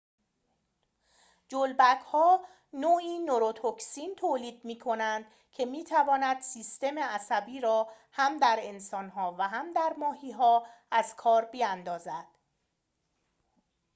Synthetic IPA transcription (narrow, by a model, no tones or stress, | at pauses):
d͡ʒolbækʰhɒː | noːiːnoɾot̪ʰoksint̪ʰoːliːd̪̥̚miːkʰo̞nænd̪̥ | cʰe̞miːt̪ʰævɒːnæd̪̥siːst̪e̞me̞æsæbiːɾɒː | hæmd̪æɾe̞nsɒːnɦɒːvæɦæmd̪æɾmɒːɦiːɦɒːæz̥kʰɒːɾbiænd̪ɒːzæd̪̥